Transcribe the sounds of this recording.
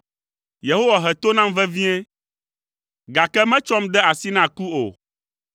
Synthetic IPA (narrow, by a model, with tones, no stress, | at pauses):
je˨ɦo˦wa˨ɦɛ˨t̪o˦nã˦mvɛ˦vĩ˦ɛ˦ | ɡa˨kɛ˦mɛ̃˦t͡ʃɔ˦md̪ɛ˦a˨si˦nã˦ku˦o̰˨